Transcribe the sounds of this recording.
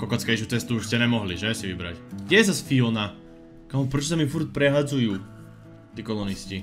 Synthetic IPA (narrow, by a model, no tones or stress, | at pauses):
kɔkɔt͡skɛjʃut͡sɛst̪uːʃscɛɲɛmɔɦliʒɛsiʋibɾa̰cɡɟʲɛjɛzasfilna | kamɔpɾɛt͡ʃɔsamifuɾt̚pɾɛɦad͡zujuː | t̪iːkɔlɔnisci